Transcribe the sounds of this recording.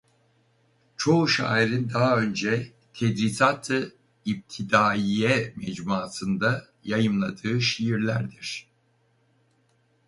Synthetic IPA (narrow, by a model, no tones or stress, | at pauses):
t͡ʃʰo̞uʃa̰ːiɾind̪aɦaø̞nd͡ʒɛ | t̪ʰɛd̪ɾisat̪ʰɯ | ip̚t̪ʰid̪aːijɛmɛd͡ʒmuːt̪ʰɯnd̪a | jajɯmlˠad̪ɯːʃijiɾlʲæɾd̪iɾ̥